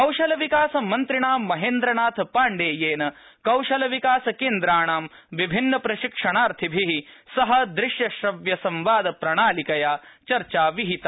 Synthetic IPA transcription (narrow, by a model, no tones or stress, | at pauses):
kɐwʃɐlɐʋikaːsɐmɐnt̪ɾiɳaːmːɐɦeːnd̪ɾɐnaːt̪ʰpaːɳɖeːjeːnɐ | kɐwʃɐlɐʋikaːsɐkeːnd̪ɾaːɳaːm | ʋibʱinːɐpɾɐʃikʂɐɳaːɾt̪ʰibʱiɦisɐɦɐ̆d̪ɾɪʃjɐʃɾɐʋjɐsɐ̃mʋaːd̪ɐpɾɐɳaːlikɐjaːt͡ʃɐɾt͡ʃaːʋiɦit̪ɐ